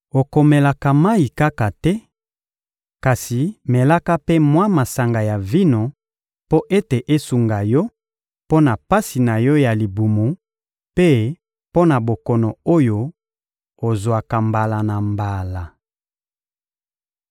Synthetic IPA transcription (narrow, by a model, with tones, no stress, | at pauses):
o˨ko˨me˨la˨ka˨ma˦i˨ka˦ka˨tɛ˦ | ka˨si˨me˨la˦ka˦pe˦mwa˦ma˨sa˨ŋɡa˨ja˨vi˦no˨ | po˦ʔe˦te˨ʔe˦su˨ŋɡa˨jɔ˦ | po˦na˨pa˦si˨na˨jɔ˦ja˨li˨bu˨mu˨ | pe˦ | po˦na˨bo˨kɔ˨nɔ˨o˦jo˨ | o˨zwa˨ka˨mba˨la˨na˨mba˨la˨